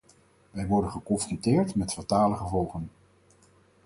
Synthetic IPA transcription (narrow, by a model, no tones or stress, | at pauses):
ʋɛjʋɔɹdənχəkɔnfrɔntɪːɹtmɛtfataːləχəvɔlˠχən